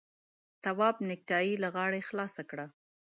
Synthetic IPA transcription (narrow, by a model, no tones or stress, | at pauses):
t̪awɑbnɪk̚ʈɑjilaɣɑɽexlɑsakɽa